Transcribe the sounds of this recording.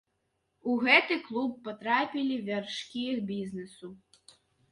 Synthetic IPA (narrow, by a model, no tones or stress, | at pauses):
uɣɛt̪ɨklˠupːɔt̪ɾapʲilʲivʲarʂkʲiixbʲiznɛsu